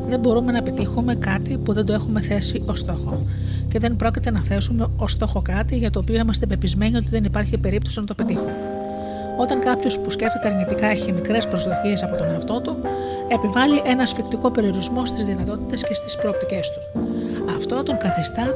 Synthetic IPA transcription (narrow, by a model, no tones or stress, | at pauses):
ðe̞mbo̞ɾume̞nɐpet̪ixume̞kɐt̪ipuðend̪oe̞xume̞θe̞sio̞st̪o̞xo̞ | ce̞ðe̞mbɾo̞cit̪e̞nɐθe̞sume̞o̞st̪o̞xo̞kɐt̪iʝɐt̪o̞ːpio̞imɐst̪e̞pe̞pizme̞niot̪̬iðe̞nipɐɾçipe̞ɾipt̪o̞sinɐt̪o̞pet̪ixun | o̞t̪ɐŋkɐpço̞spusce̞ft̪et̪e̞ɐɾnit̪ikɐçimikɾe̞spɾo̞zðo̞çiesɐpo̞t̪o̞ne̞ɐft̪o̞t̪u | e̞pivɐliʔe̞nɐsfikt̪iko̞pe̞ɾio̞ɾizmo̞st̪izðinɐt̪o̞t̪i̥t̪e̞sce̞st̪i̥spɾo̞ːp̚t̪ice̞st̪u̥sɐft̪o̞t̪o̞ŋkɐθist̪ɐ